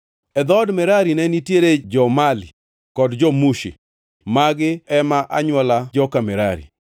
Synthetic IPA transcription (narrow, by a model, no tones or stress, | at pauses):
ɛd̪ɔdmɛɾaɾinɛnitjeɾed͡ʒɔmali | kɔdd͡ʒɔmuʃḭ | maɡɪɛmaʔaɲwɔlad͡ʒɔkamɛɾaɾḭ